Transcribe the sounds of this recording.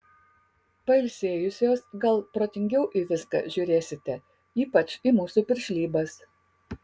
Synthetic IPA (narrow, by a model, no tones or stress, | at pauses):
pɐɪlʲsʲeːjʊsʲoːsɡɐlˠpɾoːt̪ʲɪŋʲɡʲɛʊʔiːˑʋʲɪskɐ̰ʒʲʊːɾʲeːsʲɪt̪ʲɛ | iːpɐt͡ʃimuːsuːpʲɪɾʲʃʲlʲiːbɐs